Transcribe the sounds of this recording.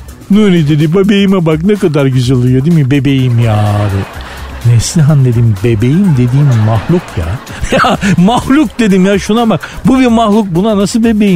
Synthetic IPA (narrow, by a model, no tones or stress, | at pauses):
nuɾid̪ed̪ibabejimɛbaknɛkad̪aɾɟyzɯlˠɯjod̪imibebe̞jimjaːɾɯ | nɛslʲiɦand̪e̞d̪imbebejimd̪e̞d̪iːmːahlˠukʰja̰ | jamahlʲˠuk̚d̪ed̪imjaʃunabakbubiɾmahlˠuk̚bunanasɯlbe̞bejim